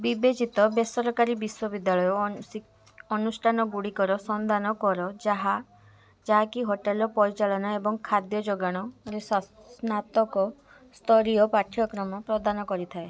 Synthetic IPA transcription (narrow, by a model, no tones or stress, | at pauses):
bibet͡ʃit̪ɔbesɔɾɔkaɾibiswɔbid̪jaɭɔjɔ | ɔnusʈʰanɔɡuɽikɔɾɔsɔnd̪anɔkɔɾɔd͡ʒaɦa | d͡ʒaɦakiɦoʈelɔpɔɾit͡ʃaɭɔnaebɔŋkʰad̪jɔd͡ʒɔɡaɽ̃ɔɾessnat̪ɔkɔ | st̪ʰɔɾiɔpaʈʰjɔkɾɔmɔpɾɔd̪ʱanɔkɔɾit̪ʰae